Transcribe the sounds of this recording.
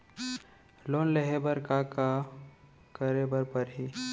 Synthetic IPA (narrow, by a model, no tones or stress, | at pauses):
loːnleɦebəɾkaka | kəɾebəɾpəɾɦi